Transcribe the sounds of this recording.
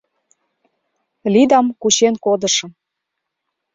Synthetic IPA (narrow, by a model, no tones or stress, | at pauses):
lid̪ɑmkut͡ɕenkod̪ɤ̆ʃɤ̆m